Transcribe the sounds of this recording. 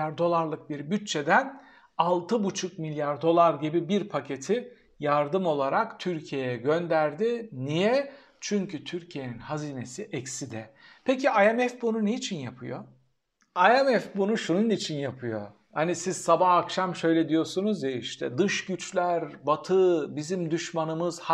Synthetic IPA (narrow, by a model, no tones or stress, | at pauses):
aɾd̪o̞lˠaɾlˠɯk̚biɾbyt̪̚t͡ʃʰːe̞d̪æn | alˠt̪ʰɯbut͡ʃʰuk̚milʲjaɾd̪o̞lˠaɾɟibibiɾpʰacʰe̞t̪ʰi | jaɾd̪ɯmo̞lˠaɾakt̪ʰyɾcʰijejɛɟønd̪æɾd̪ɪnijɛ | t͡ʃʰyɲcʰyt̪ʰyɾcʰije̞ninhaziːne̞siʔɛcsid̪ɛpʰeciʔajɛmɛfbununejit͡ʃʰinjapʰɯjo̰ | ajɛmɛfbunuʃununit͡ʃʰinjapʰɯjo̰ | hanisizsabahakʃamʃø̞jlʲɛd̪ijo̞sunuzjeiʃt̪ʰɛd̪ɯʃɟyt͡ʃlʲæɾbat̪ʰɯbizimd̪yʃmanɯmɯz̥h